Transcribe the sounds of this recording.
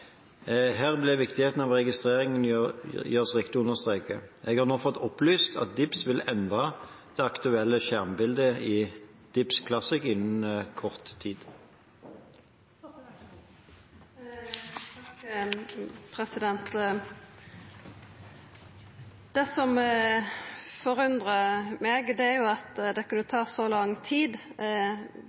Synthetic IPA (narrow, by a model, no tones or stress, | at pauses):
ɦæːʁblɪʋɪkt̪ɪheːt̪n̩ɑʋʁɛɡɪst̪ʁeːʁɪŋənjœʁsʁɪkt̪ɪʊnəʁst̪ʁeːkəʔɛɡhɑʁnoːfɔt̪ːɔplyːst̪ʰɑ̰t̪̚d̪ɪpsʋɪlɛnd̪ʁɑ | d̪̥ɛːɑkt̪ʉɛlːəʃæʁmbɪld̪əɪd̪̥ɪpskʰlɑsɪkɪnːnkʰɔʁt̪ʰːiːd̪ | pʰʁɛsɪd̪ɛnt̪ | d̪̥ɛsɔm | fɔʁʉnd̪ʁəmɛːɡd̪ɛæʁjʊɑt̪d̪ɛkʉnːət̪ʰɑːsɔlɑŋt̪ʰiːd̪